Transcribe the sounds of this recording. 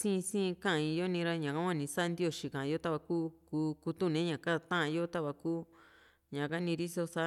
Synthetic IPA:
sĩ˦˧sĩː˦˧kã˦ã˧i˧jo˦nĩ˧ɾa˦ɲã˨ka˦kʷa˦˧nĩ˧sa˦˧nd̪i˦o˧˨ʃi˨kã˨˧jo˦t̪a˦˧βa˧kuː˦kuː˧˦ku˧t̪u˦˨nẽ˨˦ɲã˨ka˦˧t̪ã˦ʔã˧jo˦t̪a˦βa˧kuː˦ | ɲã˨ka˦nĩ˧ɾi˦so˧sa˦

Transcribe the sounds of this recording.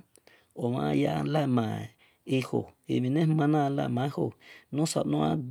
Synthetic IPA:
o˨mã̰˧ja˧la˦˨mã˨ | i˧ho̰˨ḭ˧˨mĩ˧nẽ˦hmã˧nã˦˧la̰˧˨mã˨˦ho˧˨nũ˦sa̰˨ʔnõ˦ã̰˧d

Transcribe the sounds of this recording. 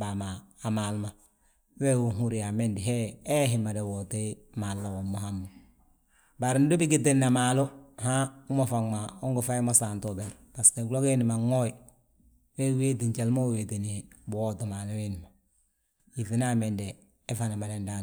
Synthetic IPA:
bamaː˨malma | we˦wuɦu˦ɾiame˦ndi˨ɦee˦ɦimːa˨de˨wote˦ | malːa˨womoɦa˦mːo | ba˨ɾn˦do˦biɡi˨tenːa˨malo˦ha˦u˦mo˨faŋma˨o˦ŋɡufa˦jimo˦santobe˨npasteɡlo˦keni˨ma˨ŋo˦ji | we˦we˦ti˨nt͡ʃe˨lmo˦we˨tinibo˦to˨ma˨lo˦weni˨ma˨ | ji˨finame˨ndeː˦ | fana˨ma˨denda

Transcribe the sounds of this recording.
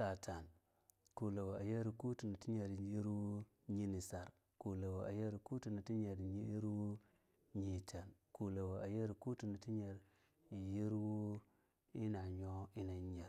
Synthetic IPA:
sa˨tʰa˨n | ku˨la˨wa˨a˨je˦ɾi˨ku˦tu˨ni˨ti˦ɲe˨ɾji˦ɾwu˦ | ɲi˦ni˨sa˨ɾ | ku˨la˨wʔa˨je˦ɾku˦tu˨ni˨ti˦ɲe˨ɾɲi˦ji˦ɾwu˦ | ɲi˨tʰa˨nku˨la˨wa˨ʔa˨je˦ɾku˦tu˨ni˨ti˦ɲe˨ɾ | ji˦ɾwu˦ | i˦na˨ɲo˦i˦na˨˦ɲe˨

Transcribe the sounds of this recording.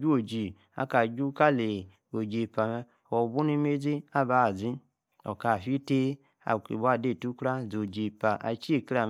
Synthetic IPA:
d͡ʒu˦o˨d͡ʒi˨ | a̰˨ka˨d͡ʒu˦ka˦˨le˨ | o˨d͡ʒe˨pa˨˦˨o˨bu˦ni˦me˦d͡zi˦a˦ba˨˦˨zi˦ | o̰˨ka˨fi˦te˦ | a̰˨kḭ˨bu˦a˦˨de˦˨tu˦kɾa˦d͡zo˨d͡ʒi˨pa˨ʔa̰˨t͡ʃi˦e˨kɾa˨

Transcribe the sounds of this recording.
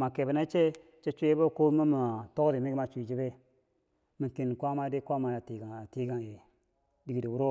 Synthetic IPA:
ma˨ke˨be˨na˦t͡ʃe˦ | t͡ʃe˦t͡ʃʷu˦je˦bo˦˨ko˦mə˦ma˨to˦ɾi˨me˦ɡi˦ma˨t͡ʃu˨i˨d͡ʒi˦be˦ | mi˨ki˨n˨kʷa˦ma˦de˦kʷa˦ma˨ja˨ti˨ɡa˨a˨ti˦ɡa˨ŋ˨je˨ | di˨ɡi˨di˨wu˦ɾo˦

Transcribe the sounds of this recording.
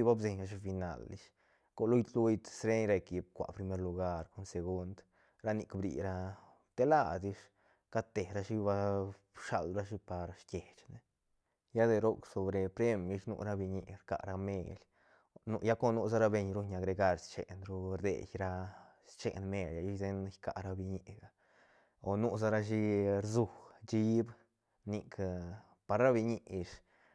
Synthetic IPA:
i˦ba˦bse˨ɲa˧ʂ̬i˦fi˧na̰˧lːḭ˧ʂ | ko˧lu˦jd̪lu˦jt̪sɾe˦ɲɾa˧ki˧b̚kʷa̰˨pɾi˧me˦ɾlu˧ɡa˧ɾko˧˦nse˧ɡu˦˧nd̪ | ɾa˦ni˧kbɾḭ˨ɾa˦ | t̪e˦la˧d̪i˧ʂ | ka˦t̪e˨ɾa˦ʂi˦ba˦ | ʂa̰˧lɾa˦ʂ̬i˦pa˨ɾʂkʲje˨t͡ʃne˦ | ja˦d̪e˧ɾo˦kso˨bɾe˨pɾe˦mi˧ʂnṵ˧ɾa˦bi˧ɲi˧ɾka̰˨ʔɾa˦me˧lʲ | nu˧ja˦ko˦nu˦z̬a˦ɾa˦be˧ɲɾu˧ɲa˨ɡɾe˧ɡa˧ɾst͡ʃḛ˨nɾu˧ɾd̪ḛ˨jɾa˧st͡ʃḛ˨nme˧lʲa˧˨ju˦ze˦njka˧ʔɾa˧bi˧ɲi˧ɡa˨ | o˨nu˦za˦ɾa˦ʃi˦ɾzu˧d͡ʒi˦b | ni˨˧k | pa˨ɾɾa˦bi˧ɲi˧ʔʂ

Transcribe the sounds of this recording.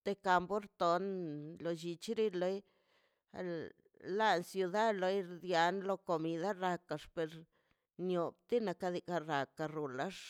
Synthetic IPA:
t̪e˧ka˧mbo˦ɾt̪o˨nlo˧˨d͡ʒi˧t͡ʃi˦ɾi˦lo˦j | a̰˧l | la˦˧nsju˧d̪a˦d̪lo˧jɾd̪ja˧˦nlo˧ko˧mi˧d̪a˦ɾa˧ka˨ʂpe˧ɾ | njo˨b̚t̪i˦na˧ka˧d̪i˧ka˧ɾa˨ka˧ɾu˨la˦ʂ

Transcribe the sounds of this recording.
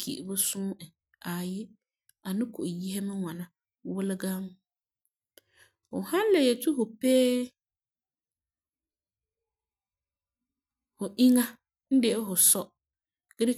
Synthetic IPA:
kʰḭ˨bʊ˦sʊ̃˦ɛ˨ | a˨jɪ˦ | a˨nɪ̃˦kʰʊ˨ji˦hɛ˦mɪ̃˦wã˨nã˨ | wʊ˦lɪ˦ɡã˦ŋ˦ | ʊ˨hã˦lɛ˨jɛ˨tʰu˦hʊ˨peː˦ | hʊ˨ʔĩ˦ŋã˦ | n̩˦dɪ˨ɛ˦ɦʊ˨sɔ˦ | ɡ̥ɪ˦ɾɪ˦

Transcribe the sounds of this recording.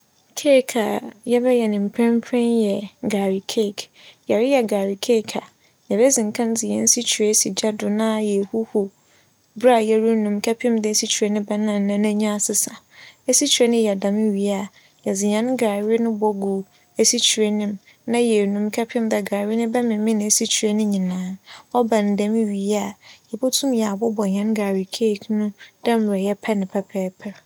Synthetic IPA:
kʰe˦˨kʰa̰˨jɛ˦bɛ˦jɛ˨nɪ̃˨m̩˨pʰɛ̃˦m˦pʰɛ̃˦njɛ˨ɡaː˨ɾi˨kʰe˦˨k | jɛ˨ɾɪ˦jɛ˨ɡaː˨ɾi˨kʰe˦˨kʰa˨ | jɛ˨ɾɛ˦zɪ̃˨ŋ˨kʰã˦n˦d͡zɪ̃˨ɲɛ̃˨n˦si˦t͡ɕʰi˨ɾe˦si˨d͡ʑa˦dʊ˨nã˦jɛ˨hu˦hu˨ | bɾa˦˨jɛ˨ɾu˦nũ˨mkʰɛ˦pʰɪ̃˦mdɪ˦˨si˦t͡ɕʰi˨ɾe˦nɪ̃˦bɛ˦nã˨nã˨nã˦ɲã˦˨sɪ˨sa˨ | e˦si˦t͡ɕʰᶣɾɛ˦nɪ̃˦jɛ˨dã˨mɪ̃˦ɥi˨˦a˦˨ | jɛ˨d͡zɪ˨ɲã˨˦n˦ɡaː˨ɾɪ˦nʊ̃˦bɔ˨ɡu˨ | e˦si˦t͡ɕʰu˨ɾe˦nɪ̃˦m | nã˦jɛ˨nũ˨mkʰɛ˦pʰɪ̃˦mdɛ˨ɡaː˨ɾɪ˦nɪ̃˦bɛ˦mɪ̃˨mɪ̃˦nɪ̃˨e˨si˦t͡ɕʰi˨ɾe˦nʊ̃˦ɲĩ˨nãː˨˦ɔ˦bã˨n˨dɛ̃˨mɪ̃˦ɥi˨a˨jɛ˨bo˦tʰũ˦mjɛ˨a˨bɔ˦bɔ˨ɲã˨˦n˦ɡaː˨ɾɪ˨kʰe˦˨knʊ̃˦d̥ɛ̃˦m˨ɾɛ˨jɛ˦pʰɛ˦nɪ̃˨pʰɛ˦pʰɛː˨˦pʰɛ˦

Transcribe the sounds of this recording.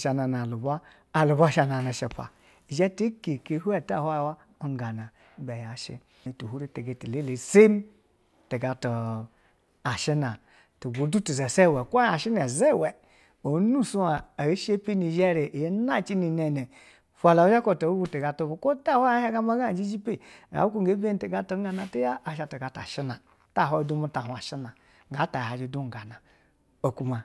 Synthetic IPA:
ʃa˨na˨na˨lu˨ba˦ | a˨lu˨bʷa˦˨ʃa˧na˨na˨ʃe˨pa̰˨ | i˨d͡ʒɛ˦te˦ke˨ke˨˦hu˦ɛ˦˨ta˦˨ha˦jwa˦ | o˦ŋ˦ɡa˨na˨˦ | bɛ˨ja˨˦ʃḭ˦˨ | tu˨hu˦ɾe˦te˨ɡe˨ti˨le˦le˨se˦m˦ | te˨ɡa˨to˨ | a˨ʃi˦na˨ | to˨bo˨˦du˦tu˨ze˨se˦˨wɛ˨kʷa˦a˨ʃi˦n˦a˨ze˦˨wɛ˨ | o˨˦nu˦˨su˦a˨a˨e˦ʃe˦pi˦ni˨d͡ʒe˦˨ɾe˨ʔje˦na˦˨t͡ʃi˦ni˨ne˨nɛ˨ | fʷa˨la˨u˦d͡ʒa˦ko˦˨ta˨u˦ɡu˦te˨ɡa˨to˨bu˨ko˦ta˦˨wa˦ja˦ha˦ɡa˦ma˦ɡa˦˨d͡ʒi˦d͡ʒi˦pe˦˨ɡa̰˨˦u˦ku˦˨ɡe˨˦be˦n˦te˨ɡa˦to˦ŋ˦ɡa˦na˨te˦ja˦a˨ʃa˨te˨ɡa˨ta̰˨ʃi˦na˨ | ta˦˨ɦo˦˨˦du˦mu˦ta˨u˨a˨ʃi˦na˨ | ŋɡa˨˦ta˨ha˨d͡ʒi˨du˦ŋ˨ɡa˨na˨ | o˨ku˦ma˨

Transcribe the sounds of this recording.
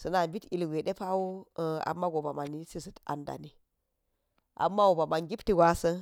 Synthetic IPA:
sə˨na˨bi˦ti˨lɡe˨ɗe˦pa˦wo˦˨a̰˨mːa˦ɡo˨ba˨ma˨ni˦si˦sə˨ta̰˨nda̰˨ni˨ | ʔa̰˨mːa˦wo˨ba˨ma˨nɡi˦pti˦ɡa˦sə˦

